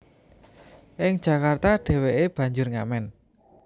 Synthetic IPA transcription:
ʔɪŋd̥ʒ̥ä̤kart̪aɖ̥ɛ̤weʔeb̥ä̤ɲd͡ʒʊrŋa̰mɛn

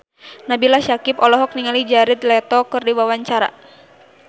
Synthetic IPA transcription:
nabilahʃakipɔlɔɦɔk̚niŋalid͡ʒaɾid̪lɛt̪ɔkɨrdiwawaɲt͡ʃaɾa̰

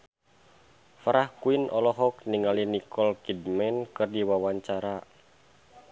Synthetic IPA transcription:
fɾahkuinʔɔlɔɦɔk̚niŋalinikʰɔlkidmɛnkɨrdiwawaɲt͡ʃaɾa

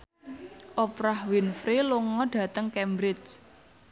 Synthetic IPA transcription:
ʔɔpɾahwinfɾeloŋɔɖ̥ä̤t̪əŋkɛmbɾɪt͡ʃ

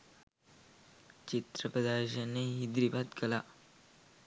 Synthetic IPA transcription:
t͡ʃit̪ɾəpɾəd̪aːɾɕəneɦid̪ɾibat̪kɐla

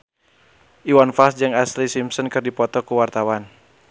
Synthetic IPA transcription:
ʔiwanfasd͡ʒɨŋaslisimsənkɨrdipɔt̪ɔkuwart̪awan

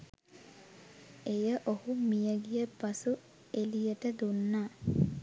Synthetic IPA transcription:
ejəʔohumijəɡijəpɐsu | elijəʈəd̪unːaː

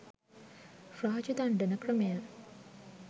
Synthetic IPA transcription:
fɾaːt͡ʃud̪aɳɖənəkrəmeja

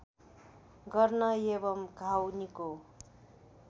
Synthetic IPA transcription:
ɡʌrnʌebʌmɡʱawniko

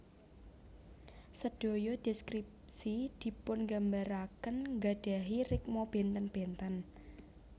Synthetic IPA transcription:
səɖ̥o̤jɔd̪̥i̤skɾip̚sid̪̥i̤pʊnŋɡambaɾakənŋɡaɖ̥a̤ɦirɪk̚mɔb̥ent̪ənb̥ent̪ən

